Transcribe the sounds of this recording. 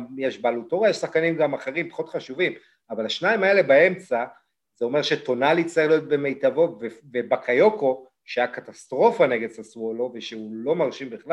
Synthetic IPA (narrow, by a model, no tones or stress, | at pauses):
jeʃbalut̪oʁajeʃsaχkanimɡamaχeʁimpḁχo̞tχaʃuvim | avalaʃnaimae̞le̞bae̞mt͡sa | zeo̞me̞ʁʃeto̞nalit͡saʁiχlijo̞t̪̚be̞me̞jt̪avo̞tvevebakʰajo̞ko̞ | ʃeakatast̪ʁo̞fane̞ɡed̪saslo̞ve̞ʃeulomaʁʃimbiχla